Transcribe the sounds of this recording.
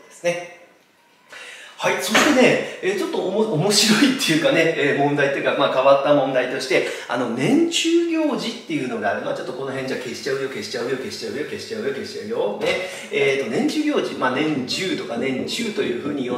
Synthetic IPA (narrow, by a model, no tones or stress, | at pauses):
d̪esɨ̥ne̞ | haiso̞ɾet̪e̞ne̞eːt͡ɕo̞t̪ːo̞omo̞ɕiɾo̞it̪ːe̞jɯ̟kane̞eːmõ̞nd̪ait̪ːo̞jɯ̟kamaːkaβat̪ːamõ̞nd̪ait̪o̞ɕi̥t̪e̞a̰no̞nẽ̞ɲ̟t͡ɕɨːɡʲo̞ːʑit̪ːe̞jɯ̟ːno̞ɡaːɾɯ̟noat͡ɕo̞t̪ːo̞ko̞no̞ɦẽɲ̟d͡ʑake̞ɕi̥t͡ɕaɯ̟jo̞ke̞ɕi̥t͡ɕaɯ̟jo̞ke̞ɕi̥t͡ɕaɯ̟jo̞ke̞ɕi̥t͡ɕaɯ̟jo̞ke̞ɕi̥t͡ɕaɯ̟jod̪e | eːt̪ːo̞nẽ̞ɲ̟t͡ɕɨːɡʲo̞ːʑḭmaːnẽ̞ɲt͡ɕɨːt̪o̞kanẽ̞ɲt͡ɕɨːt̪o̞jɯ̟̰ːɸɯ̟ːɲ̟ijo